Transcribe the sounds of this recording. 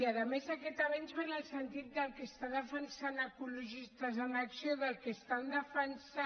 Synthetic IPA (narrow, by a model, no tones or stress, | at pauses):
aðəmezakɛt̪aβanzβenəlˠsənt̪it̪̚d̪əlˠkəst̪aðəfənsanəkuluʒist̪əzənəksioðəlˠkest̪and̪əfənsa